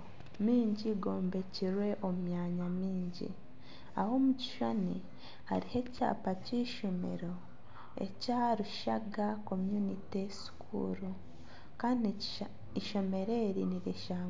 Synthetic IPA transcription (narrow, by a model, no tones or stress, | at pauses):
miːɲɟiɡo̞ːmbe̞ciɾwe̞ʔo̞mujaɲamiːɲɟḭ | aho̞muci̥ʃani | ha̰ɾihe̞ca̰ːpaciʃo̞me̞̰ɾo̞ | e̞̰caɾuʃaɡako̞mjunitesi̥kʰṵɾu | kaːndi | iʃo̞me̞ɾe̞ɾiniɾeʃaːŋ